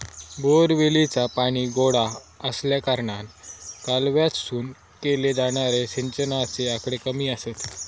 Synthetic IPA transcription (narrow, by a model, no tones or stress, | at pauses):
boɾʋilit͡sapaɽ̃iːɡoɽa | əsljakəɾɳankalʋjat͡ssuːn | keled͡zaɽ̃aɾesiɲt͡ɕənaseakɽekəmiːəset̪